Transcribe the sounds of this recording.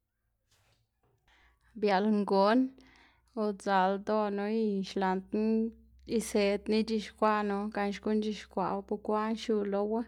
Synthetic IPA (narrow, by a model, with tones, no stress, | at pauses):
bja˨lŋɡo˨n | o˧d͡za˨ld̪o˦no˧˦i˧ʃla˨nt̪ | i˧se˨d̪ni˦t͡ʃi˧ʃkʷa˦no˧ka˧nʃɡu˦nd͡ʒi˧ʃkʷa̰˨wpu˧kʷa˦nʃu˧lo˧we˦